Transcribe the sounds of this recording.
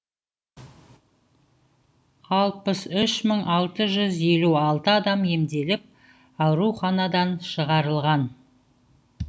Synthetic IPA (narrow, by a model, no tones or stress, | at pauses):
χʰɑlˠpəsʏʃməɴɑlˠt̪əʒʏzje̞luɑlˠt̪əɑd̪ɑmje̞md̪e̞lɪp̚ | ɑwɾuχɑnɑd̪ɑnʃəʁɑɾəlˠʁɑn